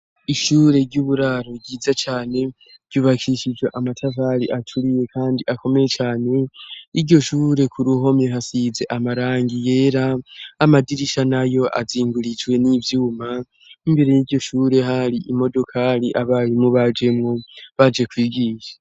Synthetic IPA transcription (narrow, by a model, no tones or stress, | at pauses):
iʃuːɾe̞ɾɟuːβuɾaɾoɡɟiːzat͡ʃaːne̞ | v̥ɟuːβakʰiʃid͡ʒweʔamatʰavaɾiʔat͡ʃʰuɾije̞kʰaːndiʔako̞me̞je̞t͡ʃaːne̞iɾɟo̞ʃuːɾe̞kʰuɾuɦo̞meɦasize̞ʔamaɾaːŋɡije̞ːɾaːmadiɾiʃanajo̞ʔa̰ziːŋɡuɾid͡ʒwe̞nivjuːma | imbe̞ɾe̞jiɾɟo̞ʃuːɾe̞ɦaɾiʔimo̞do̞kʰaɾiʔaβaɾimŋuβad͡ʒe̞mŋoβad͡ʒe̞kwiːbɡiːʃḁ